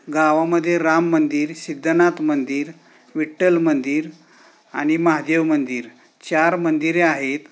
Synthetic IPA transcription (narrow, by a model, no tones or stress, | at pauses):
ɡaʋaməd̪ʱːjeɾamːənd̪iːɾsid̪ːənat̪mənd̪iːɾ | ʋiʈːəlmənd̪iːɾ | aɽ̃iməɦad̪eʋmənd̪iːɾ | t͡ɕaɾmənd̪iɾeaɦet̪